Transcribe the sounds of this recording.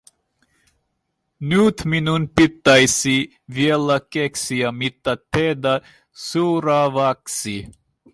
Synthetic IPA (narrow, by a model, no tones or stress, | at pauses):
nuːt̪ʰminunpit̪ːajsi | vjɛlakɛksijamit̪ːat̪ʰed̪a | suːɾavaksi